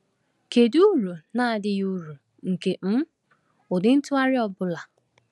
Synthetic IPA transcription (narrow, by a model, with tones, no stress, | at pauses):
ke˨du˦ɾu˨na˦a˨dɪ˦ju˦ɾu˨ | ŋ̩˨ke˨m̩˦ | ʊ˨dɪ˦n̩˦tʊ˦a˦ɾɪ˦ɔ˦bʊ˦la˨